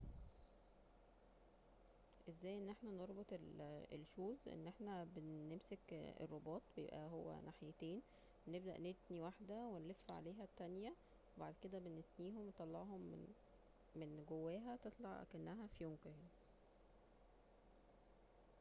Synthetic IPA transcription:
ʔezːæːjːʔenːʔeħnæneɾˤbot̪ˤelḛlʃuːzʔḛnːʔeħnæbenːemsekḛrˤːobɑːt̪ˤbejebʔæ̰ɦowːæ̰naħjet̪eːn | nebd̪æʔnet̪niwaħd̪æwenlefːʕa̰leːɦæt̪ːænjæ | webaʕd̪ked̪æbenet̪niːɦomwet̪ˤːɑlːɑʕɦom | menɡowːæːɦæt̪et̪ˤlɑ̰ʕkænːæɦæfijoŋkæ

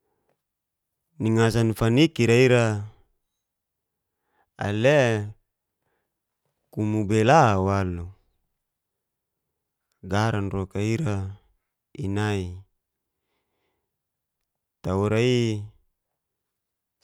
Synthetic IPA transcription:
niŋasanfanikiɾaiɾa | a̰le | kumubelawalu | ɡaɾanrokaiɾa | inai | t̪auɾai

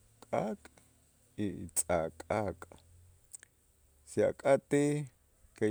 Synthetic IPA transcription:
kʼaːkʼ | ḭt͡sʼakʼakʼ | sja̰kʼat̪i | ke

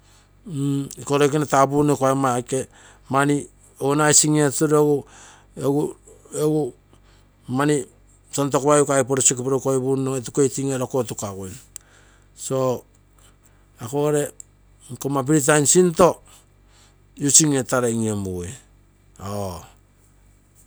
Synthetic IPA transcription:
ikoɾojkinatabunekoamake | mani | ounajsiŋietuɾeɡu | eɡu | eɡu | mani | tont̬o̞koajukaipoɾosikpoɾokojbunoetukejtiŋeɾokotukaɡuen | so̞ | akoɾe̞ | komap̬iɾit̬ajnsinto̞ | jut͡ʃiŋetaɾeŋiemue | o

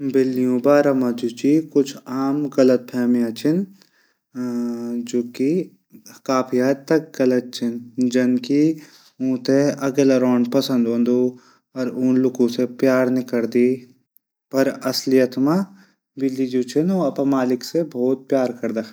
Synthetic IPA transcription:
bɪlːijũbaːɾɐmad͡ʒut͡ʃikʊt͡ʃʰaːmɡɐlət̪̚pʰɛːmijãt͡ʃɪn | d͡ʒoːki | kaːpʰijaːt̪t̪ːɐk̚ɡɐlət̪̚t͡ʃɪnd͡ʒɐnki | ũːt̪eɐɡelɐɾɔːnpɐsə̃nd̪õːnd̪u | ɔɾuːnlʊkũsepjaːɾnɪkɐɾd̪iː | pɐɾɐslijət̪ma | bɪlːid͡ʒuːt͡ʃɪnõɐpɐmaːlɪksebʱɔːt̪̚pjaːɾkɐɾd̪a

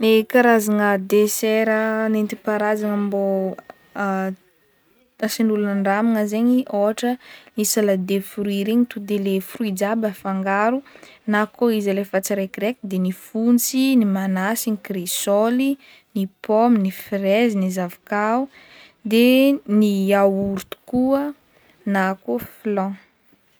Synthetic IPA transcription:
ekaɾazaŋəd̪eseɾənent̪ipaɾazaŋambo | asinulunəɳɖ͡ʐamaŋəzeɲiʔoɦaʈ͡ʂənisalad̪efɾuiɾeɲit̪ud̪elefruid͡ʒabəfaŋɡaɾunakoizalefat͡siɾajkiɾekid̪enifunt͡sinimanasinikresoli | nipominifrezinizavikau | d̪eniawuɾt̪u̥kuə | nakoflɔ̃

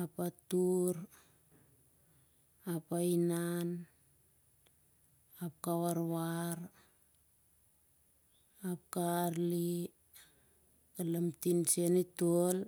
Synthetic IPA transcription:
apatuɾ | apainan | ap̚kawaɾwaɾ | apkaɾli | kalamtinsenitol

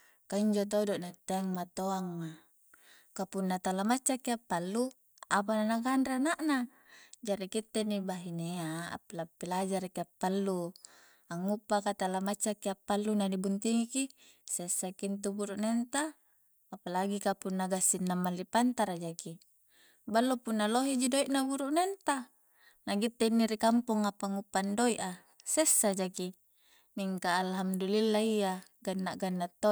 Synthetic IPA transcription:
kaiɲd͡ʒot̪oudoʔnat̪eŋmat̪oaŋma | kapunːat̪alamat͡ʃːakiapːalːu | ap̬ananaɡanɾanaʔna | d͡ʒaɾikit̪ːenibaɦineaa̰pːlapːilad͡ʒaɾakiapːalːu | aŋːupːakat̪alːamat͡ʃːakːiapːalːunadibunt̪iŋiki | sesːakint̪̬ubuɾuʔnent̪aː | palaɡikapunːaɡasːinːamːalːipant̪aɾad͡ʒaki | balːopunːaloɦid͡ʒidoiʔnabuɾuʔnent̪a | naɡit̪ːeinːiɾikampuŋapaŋːupːandoiʔa | sesːad͡ʒaki | miŋkaːlɦamdulilːaija | ɡanːaɡanːat̪ːo

